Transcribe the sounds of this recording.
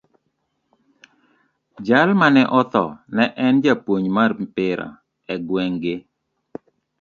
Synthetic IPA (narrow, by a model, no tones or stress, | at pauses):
d͡ʒalmanɛʔɔt̪ɔnɛʔɛnd͡ʒapwoɲmarmpɪɾa̰ | ɛɡwɛŋɡɪ